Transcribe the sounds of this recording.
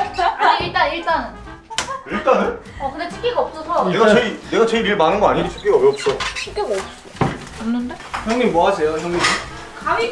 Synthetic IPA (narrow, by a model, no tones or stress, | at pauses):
iɭt͈aniɭt͈an | iɭt͈anɯn | ʌkɯndet͡ɕʰɯ̥k͈ʰiɡaʌp̚s͈ʌsʰʌeɡat͡ɕeineɡat͡ɕeiɾiɭmanɯnɡʌaɲidit͡ɕʰɯ̥k͈ʰiɡaʌjʌp̚t͡ɕ͈ot͡ɕʰik͈eɡʌs͈u | ʌmnɯndeçjʌŋɲimmoasʰe̞joçjʌŋɲim | kami